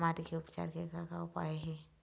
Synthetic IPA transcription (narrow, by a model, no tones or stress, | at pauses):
maɾikeʊpt͡ʃa̰ːɾkekakaʊpa̰eɦɛ